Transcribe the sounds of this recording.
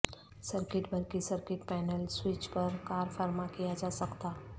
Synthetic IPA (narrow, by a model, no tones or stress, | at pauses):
səɾkɪʈbʱɐɾkisəɾkɪʈpɛːnəlswɪt͡ʃpɐɾkaːɾfəɾmakijad͡ʒaːsɐkt̪aː